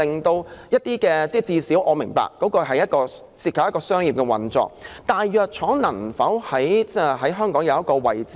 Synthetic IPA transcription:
lɪ˨ŋt̪o˧wjɐ˥t̚t̪iː˥kɛː˧t͡sɛː˥˩t͡siː˧siː˨˥wʔɔ̰ː˨˧mɪ̰˨˩ŋpa̰ː˨kːɔː˨˥kɔː˧ɦɐ˨jɐ˥t̚kɔː˧ | siː˧t̚kʰɐ˨p̚ɐ˥kɔː˧sœː˥ŋjiː˨p̚kɛ˧wɐ̰˨nt͡sɔ̰ː˨k̚t̪aː˨jːœː˨k̚t͡ʃʰɔː˨˥ŋnɐ˨˩nfɐ˨˥whɐ˨˥jt͡sɛ˥˩ɦɐ˨˥jɦœː˥ŋkɔː˨˥ŋjɐ˨˧wjɐ˥kɔː˧wɐ̰˨jt͡siː

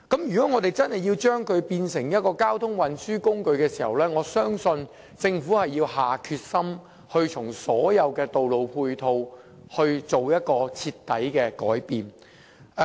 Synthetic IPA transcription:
kɐ˨˥mjyː˨kɔː˨˦˥ŋɔː˨˧t̪e˨jt͡sɐ˥nhɐ˨jːiː˧wt͡ʃœː˥ŋkʰɵ˨˧ɥpiː˧nsɪ˨˩ŋjɐ˥t̚kɔː˧kaː˥wt̪ʰʊ˥ŋwɐ˨˧nsyː˥kʊ˥ŋkɵ˧ɥkɛː˧siː˨˩hɐ˨wlɛː˥ŋɔː˨˧sœː˥ŋsɵ˧n | t͡sɪ˧ŋfuː˨˥hɐ˨jːiː˧whaː˨kʰyː˧t̚sɐ˥m | hɵ˧ɥt͡sʰʊ˨˩ŋsɔː˨˥jɐ˨˧wkɛː˧t̪o˨wlo˨wpʰuː˧jt̪ʰo˧w | hɵ˧ɥt͡so˨wjɐ˥t̚kɔː˧t͡sʰiː˧t̪ːɐ˨˥jkɛː˧kɔː˨˥jpiː˨n

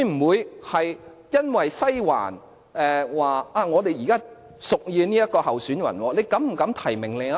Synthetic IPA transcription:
jm̩˨˩wuː˨˧jhɐ˨j | jɐ˥nwɐ˨jsɐ˥jwa̰ː˨˩n | ɛː˨waː˨ʔaː˧ŋɔː˨˧d̪e˨jiː˨˩kaː˥ | sʊ˨k̚jiː˧niː˥jɐ˥t̚kɔː˧hɐ˨wsyː˨˥nwɐ̰˨˩nwɔː˧ne˨˧jkɐ˨˥mm̩˨˩kɐ˨˥mt̪ʰɐ˨˩jmɪ˨˩ŋle˨a˧

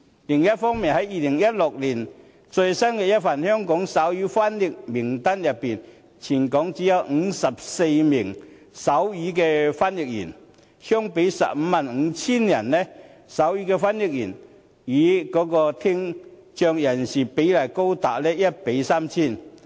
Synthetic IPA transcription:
lɪ˨˩ŋjɐ˥t̚fɔː˥ŋmi˨˩nhɐ˨˥jːiː˨lɪ˨˩ŋjɐ˥t̚lʊ˨k̚liː˨˩n | t͡sɵ˧jsɐ˥nkɛː˧jɐ˥t̚fa˨nhœː˥ŋkɔː˨˥ŋsa˨˥wjyː˨˥faː˥njɪ˨k̚mɪ˨˩ŋt̪ɐ˥njɐ˨˩pːiː˨n | t͡sʰiː˨˩nkɔː˨˥ŋt͡siː˨˥jɐ˨˧wŋ̩˨˧˥sɐ˨p̚se˧jmɪ˨˩ŋ | sɐ˨˥wjiː˨˥kɛː˧faː˥njɪ˨k̚jḭː˨˩n | hœː˥ŋpe˨˧˥jsɐ̰˨p̚m̩˧˦maː˨nŋ̩˨˧t͡sʰiː˥njɐ˨˩nlɛ˥ | sɐ˨˥wjiː˨˥kɛː˧faː˥nji˨k̚jiː˨˩n | jiː˨˥kɔː˨˧˥kɔː˧t̪ʰɪ˥ŋ | t͡ʃœː˧ŋjɐ˨˩nsiː˨˩pe˨˥jlaː˨˩ko˥wt̪a̰ː˨p̚lɛː˥jɐ˥t̚pe˨˥jsaː˥mt͡sʰiː˥˩n

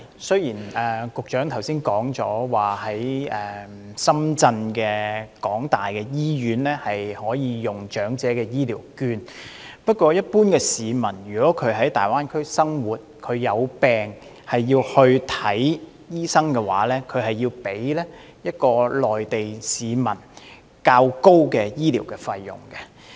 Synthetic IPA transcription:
sɵ˥ɥjiː˨˩nɛː˨kʊ˨k̚t͡ʃœː˨˥ŋt̪ʰɐ˨˩wsiː˥nkɔː˨˥ŋt͡sɔː˨˥waː˨˩hɐ˨˥jɛː˨˧ | sɐ˥mt͡sɐ˧nkɛː˧kɔː˨˥ŋt̪aː˨˩jkɛ˧jiː˥jyː˨˥nlɛː˥hɐ˨jhɔː˨˥jiː˨˧jʊ˨ŋt͡ʃœː˨˥ŋt͡sɛː˨˥kɛː˧jiː˥liː˨˩wkyː˧n | pɐ˥t̚kʷɔː˧jɐ˥t̚puː˥nkɛː˧siː˨˧mɐ˨˩nɥyː˨˩kɔː˨˥kʰɵ˨˧ɥɦɐ˨˥jt̪a̰ː˨jwaː˥nkʰɵ˥ɥsɐ˥ŋwuː˨t̚kʰɵ˨˧ɥjɐ˨˧wpɛː˨ŋ | hɐ˨jːiː˧whɵ˧ɥt̪ʰɐ˨˥j | jiː˥sɐ˥ŋkɛ˧wa̰ː˨˥lɛː˥kʰɵ˨˧ɥɦɐ˨jːiː˧wpe˨˥jlɛː˥ | jɐ˥t̚kɔː˧lɔː˨˩jt̪e˨jsiː˨˧mɐ̰˨˩n | kaː˧wko˥wkɛ˧jiː˥lḭː˨˩wkɛː˧fɐ˧jːʊ̰˨˩ŋkɛ˧

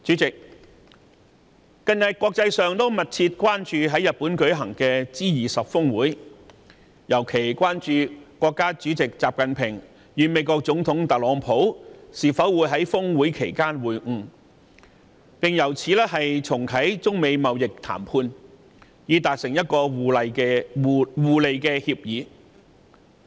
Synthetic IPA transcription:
t͡ʃyː˨˥t͡sɪ˨k̚ | kɐ˨˧ŋjɐ˨t̚kʷɔː˧k̚t͡sɐ˧jsœː˨ŋt̪o˥wmɐ˨t̚t͡sʰiː˧t̚kwaː˥nt͡ʃyː˧ɦɐ˨˥jɐ˨t̚pːuː˨˥nkɵ˨˥ɥɦɐ˨˩ŋkɛː˧t͡siː˥jiː˨˩sɐ˨p̚fʊ˥ŋwuː˨˥j | jɐ˨˩wkʰe˨˩jkʷaː˥nt͡ʃyː˨˧kʷwɔː˧kːaː˥t͡ʃyː˨˥t͡sɪ˨k̚t͡sa̰ː˨p̚kɐ˨npʰɪ˨˩ŋ | jyː˨˧me˨˥jkɔː˧k̚t͡sʊ˨˧˥ŋt̪ʰʊ˨˥ŋt̪ɐ˨˩t̚lɔː˨˥ŋpʰo˨˥wsiː˨fɐ˨˥wuː˨jɦɐ˨˥jfʊ˥ŋwuː˨˥jkʰe˨˩jkaː˥nwuː˨˩jŋ̩˧ | pɪ˨ŋjɐ˨˩wt͡sʰiː˨˧lɛː˥hɐ˨jt͡sʰʊ˨˩ŋkʰɐ˨˥jt͡sʊ˥ŋme˨˧jmɐ˨wjɪ˨k̚t̪ʰa̰ː˨˩mpʰuː˧n | jiː˨˧t̪aː˨k̚sɪ˨˩ŋjɐ˥t̚kɔː˧˨lkɛ˧wuː˨le˨˧jkɛː˧hiː˧p̚jiː˨˧˥

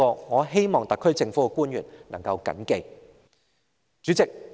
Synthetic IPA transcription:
ɔː˧ŋɔː˨˧ɦe˥jmɔː˨ŋt̪ɐ˨kʰːɵ˥ɥt͡sɪ˧ŋfuː˨˥kkuː˥njyː˨˩nnɐ˨˩ŋkɐ˧wkɐ̰˨˥nke˧j | t͡ʃyː˨˥t͡sɪ˨k̚

